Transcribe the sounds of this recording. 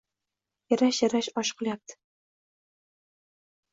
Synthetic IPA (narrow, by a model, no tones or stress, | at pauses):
jaɾaʃjaɾaʃɒʃqʰɨlˠjap̚t̪ɪ̥